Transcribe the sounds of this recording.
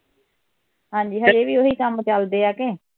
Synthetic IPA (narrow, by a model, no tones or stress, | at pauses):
ɦãːɲd͡ʒiːɦãd͡ʒeːʋiːoɦiːsamt͡ʃəld̪eːaːkeː